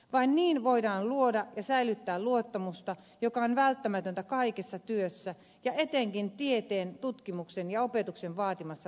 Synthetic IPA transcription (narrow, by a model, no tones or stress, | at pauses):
ʋɑinniːnʋoidɑːnluodɑjɑsæilyt̪ːæːluot̪ːɑmust̪ɑ | jokɑonʋælt̪ːæmæt̪ønt̪ækɑikesːɑt̪yøsːæ | jɑʔet̪eŋkint̪iet̪eːnt̪ut̪kimuksenjɑopet̪uksenʋɑːt̪imɑsːɑ